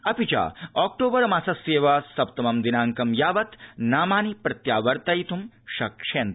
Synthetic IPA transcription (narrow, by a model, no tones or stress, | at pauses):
ɐpit͡ʃa̰ːɔːk̚ʈoːbɐɾmaːsɐseːʋasɐp̚t̪ɐmɐmd̪inaːŋkɐmjaːʋɐt̪naːmaːnipɾɐt̪jaːʋɐɾt̪ɐjt̪ʰum | ʃɐkʂeːn